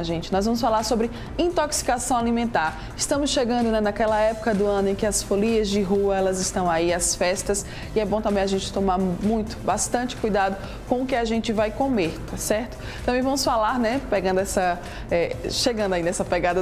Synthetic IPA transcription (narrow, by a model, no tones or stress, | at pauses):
ʒẽnt͡ʃɪnɔzvɐ̃mʊsfalaɾsobɾɪ | ĩt̪oksi̥kasɐ̃w̃alimẽnt̪aɾ | ɪst̪ɐ̃mʊsʃeɡɐ̃nd̪ʊnɛnɐkɛlɐɛpʊ̥kɐd̪ʊɐ̃nʊẽj̃kɪɐsfoliɐzd͡ʒɪɦuɐɛlɐzɪst̪ɐ̃w̃aiasfɛst̪ɐs | ɪɛbõt̪ɐ̃mbẽj̃aʒẽnt͡ʃɪ̥t̪õmaɾmũj̃t̪ʊ̥bast̪ɐ̃t͡ʃɪ̥kujd̪ad̪ʊ | kõʊkɪaʒẽnt͡ʃɪvajkomeɾt̪asɛɾt̪ʊ̥ | t̪ɐ̃mbẽj̃vɐ̃mʊsfalaɾnɛpeɡɐ̃nd̪ʊɛsɐ | ɛʃeɡɐ̃nd̪ʊaĩd̪ɛsɐpɛɡad̪ɐ